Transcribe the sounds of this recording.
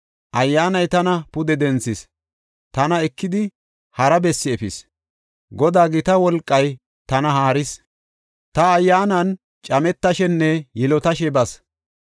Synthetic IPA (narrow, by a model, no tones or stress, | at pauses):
ʔɐjːaːnɐjt̪ɐnɐpʊd̪ɛd̪ɛnt͡sːɪs | t̪ɐnɐɛkːɪd̪ɪ | hɐɾɐbɛsːɪɛfɪs | ɡɔd̪aːɡɪt̪ɐwɔlkʼːɐj | t̪ɐnɐɦaːɾɪs | t̪ɐːjːaːnɐn | t͡ʃʼɐmɛt̪ːɐʃɛnːɛjɛlɔt̪ɐʃɛbɐs